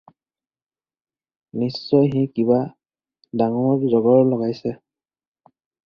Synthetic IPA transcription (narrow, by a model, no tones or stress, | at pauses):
nisːɔjɦĩkiba | daŋɔzɔɡɔɹlɔɡajsɛ